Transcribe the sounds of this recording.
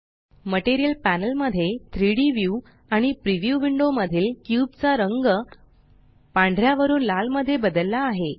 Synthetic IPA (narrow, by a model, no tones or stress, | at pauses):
məʈeɾijəlpænəlməd̪ʱːjet̪ʰɾiɽiʋju | aɽ̃ipɾiʋjuʋiɳɖoməd̪ʱiːlkjuːbt͡saɾəŋɡə | pãɳɖʱɾjaʋəɾuːnlalməd̪ʱːjebəd̪əlːaːɦe